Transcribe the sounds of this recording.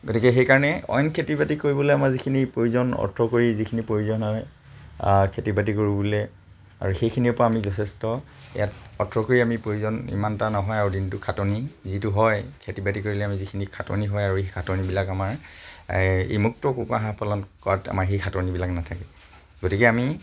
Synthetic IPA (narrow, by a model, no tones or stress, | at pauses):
ɡotikɛxejkaɹɔnɛɔ̰jnkʰetibatikoɹibɔlojamaɹzikʰinipɹojuzɔnɔ̰ɹtʰɹɔkoɹizikʰinipɹojuzɔnɔɦɔj | kʰetibat̬ikoɹibɔlɛ | a̰ɹuxejkʰinipɔɹaamizɔtʰɛstɔ | ɛ̰jatɔtʰɹɔkoɹiamipɹojuzɔnḭmantanɔɦɔjaɹudintukʰatɔnizituɦɔjkʰetibatikoɹilɛamizikʰinikʰatɔ̰niɦɔjaɹuekʰatɔnibilakamaɹ | ḛjmuk̚tɔkukaɦãpʰalɔnkɔata̰maɹxejkʰatɔnibilaknatʰakɛ | ɡotikɛami